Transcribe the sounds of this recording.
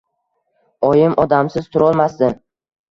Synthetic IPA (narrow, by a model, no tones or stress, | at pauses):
ɒjɪmʔɒd̪amsɪz̥t̪ʰʊɾɒlˠmasd̪ɪ